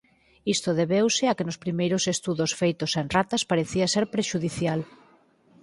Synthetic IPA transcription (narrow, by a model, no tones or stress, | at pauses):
ist̪ʊðeβewsɪakɪnʊspɾimejɾʊsest̪uðʊsfejt̪osenrat̪ɐspaɾeθiaseɾpɾeʃuðiθjal